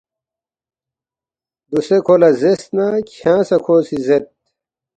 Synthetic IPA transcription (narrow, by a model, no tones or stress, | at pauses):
d̪usekʰoːlɐzest̪nakʰjãːsɐkʰoːsizet̪̚